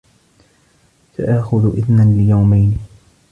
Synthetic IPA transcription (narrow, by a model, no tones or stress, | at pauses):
sa̰ʔaʔxʊðʔɪðnanlɪjawmajni